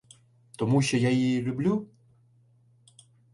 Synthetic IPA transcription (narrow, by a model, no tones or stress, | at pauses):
t̪ɔmuɕʲɔjailʲublʲu